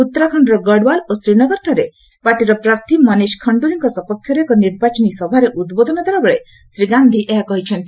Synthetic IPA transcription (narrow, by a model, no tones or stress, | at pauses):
ut̪ːɾɔkʰɔɳɖɔɾɔɡɔɖwalosɾinɔɡɔɾʈʰɔɾe | paʈiɾɔpɾaɾt̪ʰimʌniskʰɔɳɖuɾiŋkɔsɔpɔkʰːjɔɾekɔniɾbat͡ʃɔnisɔbʱaɾeʔud̪bod̪ʱɔnɔd̪ʱaɾɔbɔɭe | sɾiɡand̪ʱiʔeɦakɔɦit͡ʃʰɔnt̪i